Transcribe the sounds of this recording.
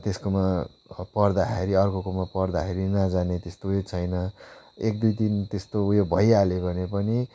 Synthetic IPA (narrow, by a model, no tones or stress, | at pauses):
t̪eskoma | pʌrd̪akeɾiʌrkokomapʌrd̪akʰeɾinʌd͡zanet̪est̪ojet͡sʰʌjnʌek̚d̪ujt̪int̪est̪ojobʱʌjalebʱʌnepʌni